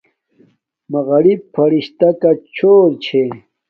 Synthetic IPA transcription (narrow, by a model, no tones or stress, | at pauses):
mɐɣɐɽipʰɐɾiɕt̪akat͡ɕʰoːɾt͡ɕʰe